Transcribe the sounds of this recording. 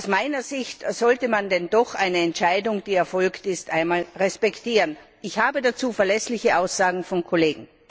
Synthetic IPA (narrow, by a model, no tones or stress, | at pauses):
aʊsmaɪnɐzɪçtz̥ɔltəmandɛndɔxʔaɪnəɛntʃaɪdʊŋd̥iːɛɐfɔlktɪstʔaɪnmaːlʁɛspɛktiːʁən | ɪçhaːbədat͡suːfɛɐlɛslɪçəʔaʊsz̥aːɡŋ̩fɔnkʰoleːɡŋ̩